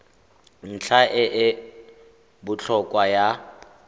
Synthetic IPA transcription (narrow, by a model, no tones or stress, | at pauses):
n̩t͡ɬʰaʔɪʔɪ | bʊt͡ɬʰɔkʼwaja